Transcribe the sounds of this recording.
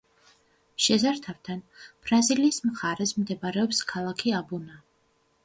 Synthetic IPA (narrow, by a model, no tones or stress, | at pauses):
ʃɛzaɾt̪ʰavt̪ʰanb̥ɾaziliːsmχaɾɛsmd̪ɛbaɾɛɔpskʰalˠakʰiabuna